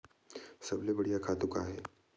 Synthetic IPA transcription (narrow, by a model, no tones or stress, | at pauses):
sɐblebɐɽijakʰaːt̪ukaɦɛː